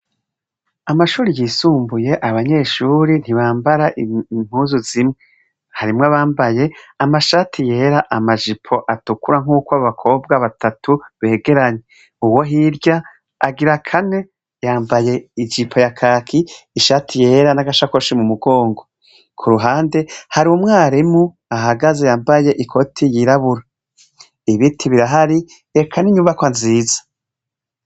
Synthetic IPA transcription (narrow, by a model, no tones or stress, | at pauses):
amaʃuːɾijiːsuːmbuje̞ʔaβaɲe̞ːʃuːɾin̥hiβaːmbaɾaʔim̥huːzuzimŋe | haɾimŋaβaːmbaje̞amaʃaːtʰije̞ɾaʔamad͡ʒipʰo̞ʔatukuɾaŋuːkwaβakʰo̞b̚ɡaβatʰatʰuβe̞ːɡe̞ɾaɲe | uwo̞ɦiɾɟaː | ɡiɾakʰane̞ | jaːmbaje̞id͡ʒipʰo̞jakʰaːkʰiːʃatʰije̞ːɾanaɡaʃakoʃimumuɡo̞ːŋɡo̞ | kʰuɾuɦaːnde̞haɾiwumŋaːɾimu | aɦaɡaze̞jaːmbaje̞ʔikʰo̞tʰijiɾaβuɾa | iβitʰiβiɾaɦaɾi | e̞kʰaniɲumvakwanziːzḁ